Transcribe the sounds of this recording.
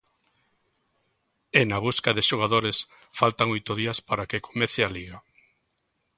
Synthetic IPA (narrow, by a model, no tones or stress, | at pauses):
enaβuskaðeʃoɣ̞aðoɾes | falt̪aŋojt̪oðiaspaɾakeko̥meθealiɣa